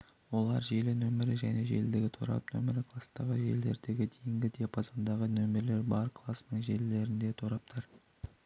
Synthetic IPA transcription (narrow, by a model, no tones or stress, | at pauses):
wo̞lˠɑɾʒe̞lɪnɵmɪɾɪʒæne̞ʒe̞̰ld̪ɪɡʲɪt̪ʰoɾɑ̰pnɵ̰mɪɾɪkʰlˠɑsnɑʁəʒe̞̰ld̪e̞̰ɾd̪e̞ɡʲɪd̪ejɪŋɡʲɪd̪eapʰozond̪ɑʁənɵmeɾle̞ɾbɑɾkʰlˠɑsənəɴʒe̞lle̞ɾɪnd̪e̞t̪ʰoɾɑp̚t̪ʰəɾ